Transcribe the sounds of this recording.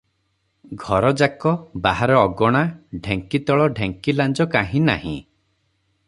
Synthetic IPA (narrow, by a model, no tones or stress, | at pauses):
ɡʱɔɾɔd͡ʒakɔbaɦaɾɔːɡɔɽ̃aɖʱeŋkit̪ɔɭɔɖʱeŋkiland͡ʒɔkaɦĩnahḭ̃